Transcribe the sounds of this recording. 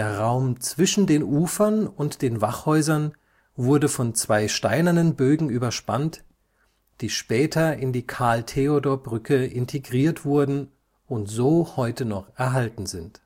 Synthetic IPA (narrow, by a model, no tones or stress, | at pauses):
deːɐʁaʊmt͡sv̥ɪʃn̩deːnʔuːfɐnʊntd̥eːnvaχhɔʏzɐn | vʊɐdəfɔnt͡sv̥aɪʃtaɪnɐnənbøːɡŋ̩ʔyːbɐʃpa̰nt | d̥iːʃpɛːtʰɐɪndiːkʰaːltʰeodoːɐbʁʏkʰəʔɪntʰeɡʁiːɐtv̥ʊɐdn̩ | ʊntz̥oːhɔʏtənɔχʔɛɐɦaltn̩zɪnt